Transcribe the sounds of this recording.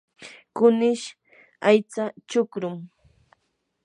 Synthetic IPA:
kʊnɪʃ | ajt͡sat͡ʃʊkɾʊm

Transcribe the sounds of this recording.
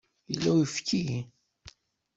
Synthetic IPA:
jəlːæifki

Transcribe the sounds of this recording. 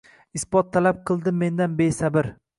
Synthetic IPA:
ɪsbɒt̪ʰːalap̚qʰɨlˠd̪ɪmːe̞nd̪anbesabɪɾ

